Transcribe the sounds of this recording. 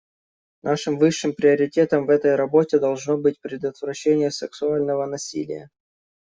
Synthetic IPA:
nʔaʂɨmvɨʂːɨmpɾʲɪɐɾʲɪtʲe̞t̪əmvɛt̪əjɾɐbo̞tʲɪd̪ɐlˠʐnobɨt̚ʲpɾʲɪd̪ət̪vɾɐɕːenʲɪjəsɨksʊalʲnəvənɐsʲḭlʲɪ̰jə̰

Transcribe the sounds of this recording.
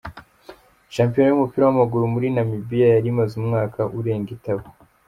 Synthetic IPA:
ʃaːmpijonojumupiːɾawamaɡuɾumuɾinamibijajaɾimazumŋaːkʰaʔuɾe̞ːŋɡitaβo

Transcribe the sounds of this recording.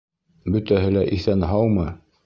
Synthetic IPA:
bɵ̆t̪æɦɘlæʔiθænɦɑwmɤ

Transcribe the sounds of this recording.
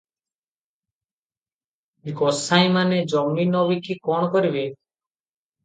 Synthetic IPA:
ɡɔsaĩmaned͡ʒɔmminɔbikikɔɽ̃ɔkɔɾibe

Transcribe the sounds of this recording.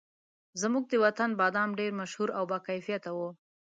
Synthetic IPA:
zəmuɡ̚d̪əwat̪anbɑd̪ɑmɖeɾmaʃhuɾawbakajfijat̪awu

